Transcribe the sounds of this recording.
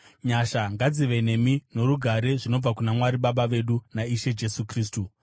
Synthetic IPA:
ɲaʃaŋɡad͡ziʋene̞mino̞ɾuɡʱaɾe̞ʐino̞b͡vakunamwaɾiɓaɓaʋe̞ɗunaiʃe̞d͡ʒe̞sukriːs̬tu

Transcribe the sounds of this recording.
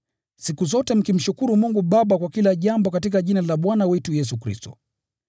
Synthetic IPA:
sikuzɔtɛm̩kim̩ʃukuɾumuŋɡuɓaɓakwakilaʄambɔkatikaʄinalaɓwanawɛtujɛs̬ukɾḭstɔ̰

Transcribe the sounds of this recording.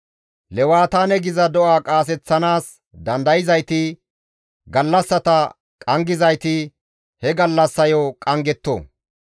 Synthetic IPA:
lɛwaːt̪aːnɛɡɪzɐd̪ɔʔaːkʼaːs̬ɛt͡sːɐnaːs | d̪ɐnd̪ɐjɪzɐjt̪ɪ | ɡɐlːɐsːɐt̪ɐ | kʼɐŋɡɪzɐjt̪ɪ | hɛɡɐlːɐsːɐjɔkʼɐŋɡɛt̪ːo̰ː

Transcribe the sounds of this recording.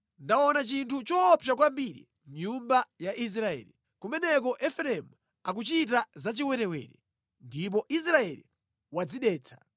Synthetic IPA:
ndaɔnat͡ʃintʰut͡ʃɔpʰjak̬wambiɾḭ | mɲumbajaʔis̬ɾaɛ̰ːli | kumɛnɛk̬ɔʔɛfɾɛmu | ak̬ut͡ʃit̬azat͡ʃiwɛɾɛwɛ̰ːɾɛ | ndip̬ɔʔis̬ɾaɛlḭ | wad͡ziɗɛːt͡sʰḁ

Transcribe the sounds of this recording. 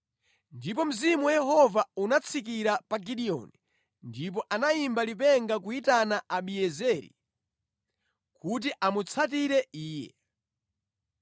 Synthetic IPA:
ndip̬ɔm̩zimuwɛjɛɦɔvaunat͡sʰikiɾapaɡiɗiɔ̰ni | ndip̬ɔʔanaimbalip̬ɛŋɡak̬uitanaaɓiɛzɛɾḭ | kut̬iʔamut͡sʰat̬iɾɛiːjɛ̰

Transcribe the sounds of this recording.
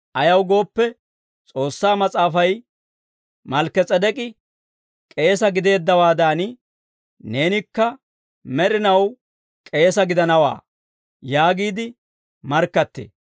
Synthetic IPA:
ʔɐjɐwɡo̞ːpːɛ | t͡sʼo̞ːsːaːmɐt͡sʼaːfɐj | mɐlkːɛt͡sʼɐd̪ɛkʼɪ | kʼe̞ːsɐɡɪd̪e̞ːd̪ːɐwaːd̪aːn | ne̞ːnɪkːɐ | mɛɾɪnɐw | kʼe̞ːsɐɡɪd̪ɐnɐwa̰ː | jaːɡiːd̪ɪ | mɐɾkːɐt̪ːḛː

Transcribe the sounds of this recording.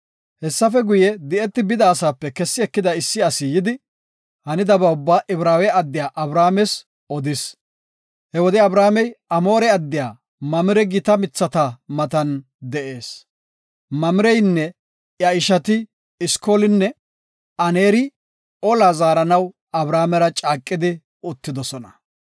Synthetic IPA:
hɛsːɐfɛɡʊjɛd̪ɪʔɛt̪ːɪbɪd̪aːsaːpːɛkɛsːɪɛkːɪd̪ɐɪsːɪɐsɪjɪd̪ɪ | hɐnɪd̪ɐbɐʊbːaːʔɪbɾaːwɛɐd̪ːɪjaːʔɐbɾaːmɛs | ɔd̪ɪs | hɛwɔd̪ɛɐbɾaːmɛjɐmoːɾɛɐd̪ːɪjaː | mɐmɪɾɛɡɪt̪ɐmɪt͡sːɐt̪ɐmɐt̪ɐn | d̪ɛʔe̞ːs | mɐmɪɾɛjnːɛ | jɐɪʃɐt̪ɪ | ɪskoːlɪnːɛ | ɐneːɾɪ | ɔlaːzaːɾɐnɐw | ɐbɾaːmɛɾɐt͡ʃʼaːkʼːɪd̪ɪ | ʊt̪ːɪd̪ɔsɔnɐ

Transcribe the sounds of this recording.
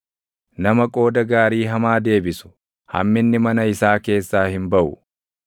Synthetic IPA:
nɐmɐkʼo̞ːd̪ɐɡaːɾiːɦɐmaːd̪e̞ːbɪsʊ̥ | hɐ̰mːɪnːɪmɐnɐɪsaːke̞ːsːaːhɪmbɐʔʊ

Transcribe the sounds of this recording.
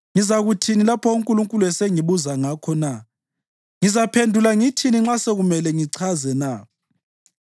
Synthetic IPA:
ŋizaɣutʰinilapʰɔoŋkʼuluŋkʼulɛseŋiβuzaŋakʰɔna | ŋizapʰendʱulaŋitʰiniŋ͡ǁaseɣumɛlɛŋiǀʰazɛna

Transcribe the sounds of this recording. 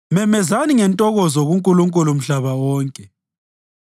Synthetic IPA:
mɛmɛzaniŋɛntʼɔɣɔzɔɣuŋkʼuluŋkʼulum̩ɬaβawɔːŋkʼɛ

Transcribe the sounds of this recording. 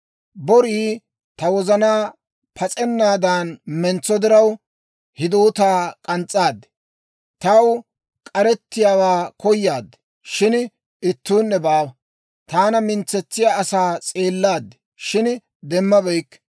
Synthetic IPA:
bɔɾiː | t̪ɐwɔzɐnaː | pʰɐt͡sʼɛnːaːd̪aːnmɛnt͡sːɔd̪ɪɾɐw | hɪd̪oːt̪aːkʼɐnt͡sʼːaːd̪ːɛ̥ | t̪ɐw | kʼɐɾɛt̪ːɪjaːwaːkɔjːaːd̪ːɛ̥ | ʃɪn | ɪt̪ːuːnːɛbaːw | t̪aːnɐmɪnt͡sːɛt͡sːɪjaɐsaːt͡sʼe̞ːlːaːd̪ːɛ̥ | ʃɪn | d̪ɛmːɐbɛjkː

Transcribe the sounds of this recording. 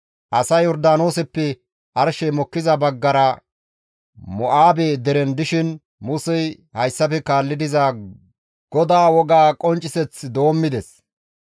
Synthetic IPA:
ʔɐsɐjɔɾd̪aːno̞ːsɛpːɛ | ʔɐɾʃɛmɔkːɪzɐbɐɡːɐɾɐ | mɔʔaːbeːd̪ɛɾɛnd̪ɪʃɪn | mʊsɛj | hɐjsːɐpɛkaːlːɪd̪ɪza | ɡ̥ɔd̪aːwɔɡaːkʼɔnt͡ʃʼːɪsɛt͡sːd̪o̞ːmːɪd̪ɛs

